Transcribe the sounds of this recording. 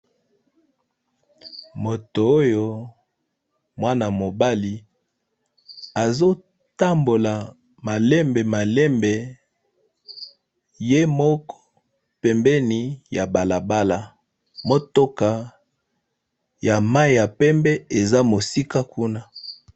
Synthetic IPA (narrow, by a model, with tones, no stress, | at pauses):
mo˨toː˨˦jo˦ | mwa˦na˨mo˨ba˦li˨ | a˨zo˦ | ta˦mbo˨la˨ | ma˨lɛ˦mbe˨ma˨lɛ˦mbe˨ | je˦mɔ˦kɔ̥˦ | pɛ˨mbɛ˦ni˨ja˨ba˨la˨ba˦la˨ | mo˦to˦ka˨ | ja˨ma˦i˨ja˨pɛ˦mbɛ˦e˨za˦mo˨si˦ka˦ku˦na˦